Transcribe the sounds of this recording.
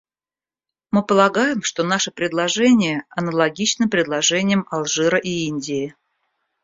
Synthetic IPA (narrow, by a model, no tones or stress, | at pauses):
mɨpəlˠɐɡajɪmʂt̪o̞n̪aʂɨpɾʲɪd̪lˠɐʐɛnʲɪjəɐnəlˠɐɡʲit͡ɕnɨmpɾʲɪd̪lˠɐʐɛnʲɪjəmɐlˠʐɨɾəʔiinʲdʲɪː